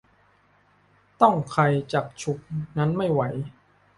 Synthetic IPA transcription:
t̪ɔ˥˩ŋkʰa˧jt͡ɕaː˨˩k̚t͡ɕʰu˨˩k̚na˦˥nma˥˩jwa˩˦j

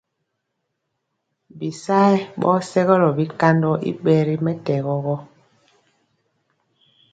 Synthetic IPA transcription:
bi˨sa˦ɛ˦ɓɔ̰ː˦sɛ˦ɣɔ˦lɔ˨bi˦ka˦ndɔ˦ʔḭ˦ɓɛ˨ɾi˦mɛ˦tɛ˨ɣɔ˦ɣɔ˦

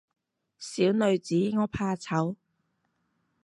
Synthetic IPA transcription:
siː˨˥wnɵ˨˧ɥt͡siː˨˥ŋɔː˧˥pʰaː˧t͡sʰɐ˨˥w

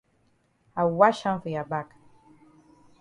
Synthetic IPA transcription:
a˨wa˦ʃã˦nfə˨ja˨ba˦˨k

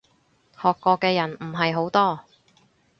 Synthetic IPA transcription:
hɔː˨kːɔː˧kːɛː˧jɐ˨˩nm̩˨˩ɦɐ˨jɦo˨˥wt̪ɔː˥

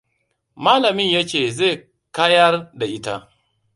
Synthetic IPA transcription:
maː˦lɐ˨mɪ˦ɲja˦t͡ʃeː˨ze˦˨ | kaː˦jɐ˦rda˨ʔɪ˦ta˦ʔ

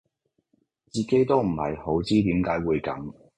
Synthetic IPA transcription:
t͡siː˨˩ke˨˥jt̪o˥wm̩˨˩hɐ̰˨˩jho˨˥wt͡siː˥t̪iː˨˥mkaː˨˥jwuː˨˧jkɐ̰˨˥m

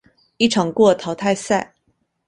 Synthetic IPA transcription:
i˥˩ʈ͡ʂʰɑ˨˩ŋkwɔ˥˩t̪ʰɑ˧˥ʊt̪ʰa˥˧ɪsa˥˩ɪ

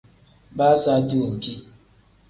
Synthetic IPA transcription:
ba˦sa˦du˦o˨ki˦

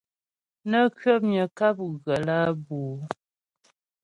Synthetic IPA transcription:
nə˦kɥə˦p̚ɲə˨ka˦p̚ɣə˨la˦buː˨

